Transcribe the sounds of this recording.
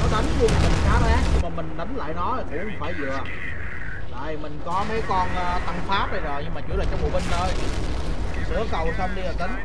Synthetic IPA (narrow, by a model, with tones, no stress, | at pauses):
nɔ˨˦ɗa˨˦ŋzu˧əmaː˨˩mï˨˩ŋkaː˨˦tzaː˦˥k̚ɲɨ˧ŋmaː˨˩mï˨˩ŋ̟nə˨˦ŋla̰ː˧˨jnɔ˨˦˨kʊ̰˧˥ŋ͡mfaː˧˩jzɨ̰˧˨ə | la̰ː˧˨jmï˨˩ŋ̟kɔ˨˦mə˨˦jkɔ˧nʔːt̪a˧ŋfaː˦˥p̚ɗa˧jzo˨˩jɲɨ˧ŋmaː˨˩t͡ɕṵ˧˥laː˨˩t͡ɕɔ˧ŋ͡mɓo̰˧˨ɓi˧ŋʔo˧j̪ʰsɨ˨˧˩əkə˨˩wsaː˧mɗi˧aː˨˩t̪ə˨˦ŋ